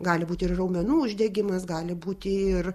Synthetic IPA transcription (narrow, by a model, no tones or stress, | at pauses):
ɡɑːlʲɪbuːt̪ʲɪɪrrɐʊmʲɛnuːʊʒʲdʲɛɡʲɪmɐsɡɑːlʲɪbuːt̪ʲɪɪr